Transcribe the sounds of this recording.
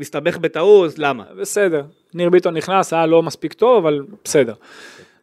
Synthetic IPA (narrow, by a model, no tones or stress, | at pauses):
mist̪abe̞χbet̪auzlama̰bese̞d̪eʁ | niʁbit̪oniχnasajalo̞maspikt̪o̞vavalb̥ese̞d̪eʁ